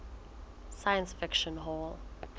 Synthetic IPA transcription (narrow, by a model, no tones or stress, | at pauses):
sajə̃nsfɪkʃɔ̃nɦɔl